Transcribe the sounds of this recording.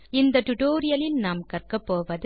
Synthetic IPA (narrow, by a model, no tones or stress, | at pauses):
ɪnd̪ɐʈʊʈoːɾɪjɐlɪnnaːmkɐrkɐpːoːʋɐðɯ